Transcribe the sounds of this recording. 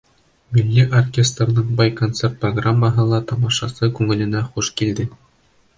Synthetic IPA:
mʲilʲːiʔorkʲest̪rnɤɴbɑjkont̪sert̪̚proɡramːɑɦɤ̆lˠɑt̪ɑmɑʃɑsɤkʉŋɘ̆lɘ̆næχuʃkild̪ɘ

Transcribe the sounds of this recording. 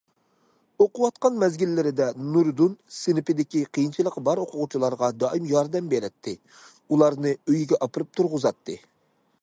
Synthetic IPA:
oqʊwɑt̪qɑnmɛzɡʲilːɪɾɪd̪ɛnuɾd̪unsɪnɪpɪd̪ɪkʲiqʰijint͡ʃʰilˠəqbɑɾoqʰʊʁʊt͡ʃʰilˠɑɾʁɑd̪ɑʔimjɑɾd̪ɛmbeɾɪt̪ʰːɪ | ulˠɑɾnɨøjɡʲɛʔɑpɨɾɨp̚t̪ʰuɾʁʊzɑt̪ʰːɨ

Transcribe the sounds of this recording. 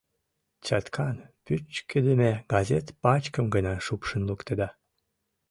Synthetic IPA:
t͡ɕɑt̪kʰɑnpyt͡ʃkəd̪emeɡ̥ɑzet̪pɑt͡ɕkəmɡənɑʃupʃənlukt̪əd̪ɑ

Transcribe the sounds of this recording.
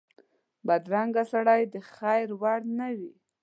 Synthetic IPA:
bad̪ɾaŋɡasaɽajd̪əxajɾwaɽnawi

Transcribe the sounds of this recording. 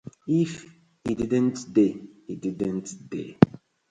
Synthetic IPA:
if | hididə̃ntdeididə̃ntdḛ

